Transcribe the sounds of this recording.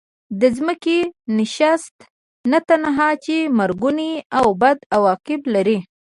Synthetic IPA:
d̪əzməkenɪʃast̪ | nat̪anaɦɑt͡ʃemaɾɡuniawbad̪awɑqɪblaɾi

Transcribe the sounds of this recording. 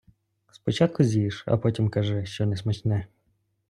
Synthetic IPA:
spɔt͡ʃɑt̪̚kʊzʲiʃɐ̰pɔtʲimkɐʒɪʃt͡ʃɔnɛsmɐt͡ʃnɛ

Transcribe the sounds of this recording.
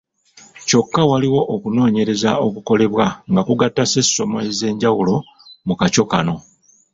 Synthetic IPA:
co̞kːawaliwo̞ʔːkuno̞ːɲe̞ɾe̞zao̞kuko̞le̞βwaŋɡakuɡatːase̞sːo̞moeze̞ːɲɟawulo̞ | mukaco̞kano̞

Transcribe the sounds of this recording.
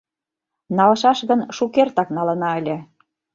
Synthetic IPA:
nɑlɤ̆ʃɑʃɣə̆nʃukert̪ɑknɑlɤ̆nɑə̆lʲĕ

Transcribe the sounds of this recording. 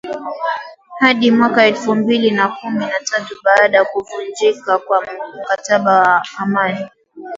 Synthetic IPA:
haɗimwakaɛlfumbilinakuminatatuɓaːɗajakuvund͡ʒikakwam̩kataɓawaːmani

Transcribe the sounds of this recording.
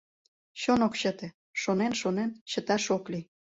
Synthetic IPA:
ɕonokɕət̪ĕ | ʃonenʃonenɕə̆t̪ɑʃokli

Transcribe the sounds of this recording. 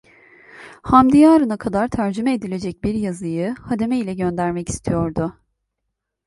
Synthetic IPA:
hamd̪ijaːɾɯnakʰad̪aɾt̪ʰæɾd͡ʒymɛed̪ilʲe̞d͡ʒɛc̚biɾjazɯjɯhad̪e̞meilʲɛɟø̞nd̪æɾmɛci̥st̪ʰijo̞ɾd̪ʊ

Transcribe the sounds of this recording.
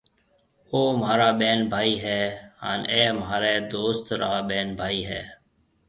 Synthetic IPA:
oːmaːɾaːɓeːnbʱaːiːɦɛːɦa̰ːneːmɦaːɾeːd̪oːst̪ɾaːɓeːnbʱaːiːɦɛ̰ː

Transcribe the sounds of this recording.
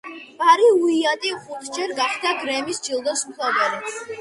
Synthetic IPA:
b̥aɾiuiat̪ʼiχuɾd͡ʒɛɾɡaχd̪aɡɾɛmisd͡ʒilˠd̪ɔsut̪ʰaɡɛɾɛ

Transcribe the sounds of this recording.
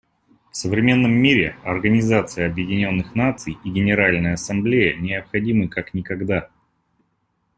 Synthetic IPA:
fsəvɾʲɪmʲe̞nːəmːiɾʲɪɐrɡənʲɪzat̪sɨjəɐbjɪdʲɪnʲo̞nːɨxnat̪sɨjiɡʲɪnʲɪɾalʲnəjəɐsɐmblʲejənʲɪɐpxɐdʲimɨkaknʲɪkɐɡd̪a

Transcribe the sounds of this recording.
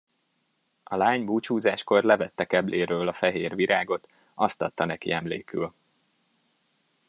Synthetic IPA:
ʔɒlaːɲbuːt͡ʃuːzaːʃko̞rlɛvɛt̪ːɛkɛbleːɾøːlɒfɛɦeːrviɾʔaːɡo̞t̪ | ɒst̪ɒt̪ːɒnɛkḭɛmlḛːky̰l

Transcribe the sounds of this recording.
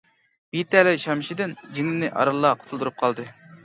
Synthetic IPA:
bit̪ɛlɪʃɑmʃid̪ɪnd͡ʒiŋlɪnɪʔɑ̰ɾɑlˠːɑqʰoʊt̪ʰʊlˠd̪uɾup̚qʰɑlˠd̪ɨ

